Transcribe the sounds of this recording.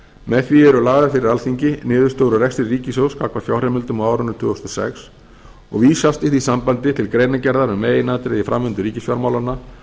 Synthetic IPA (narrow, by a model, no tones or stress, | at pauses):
mɛðθviɛɾʏlaːɣaðɪfɪɾɪɾalθiɲcɪnɪːðʏ̥st̪owɾʏrɛkst̪ɪɾriːcɪsowskʰakvḁfjaːwrɛmɪlt̪ʏmawaːwɾʏnːʏt̪ʰʏːɔst̪ɔsɛ̰ks | ɔ̰ɣviːsast̪ɪhθisampant̪ɪt̪ʰɪlkɾeːjnacɛɾðaɾʏmeːjɪnat̪ɾɪðifɾa̰mvʏnt̪ʏɾiːcɪsfjɔɾmawlanːa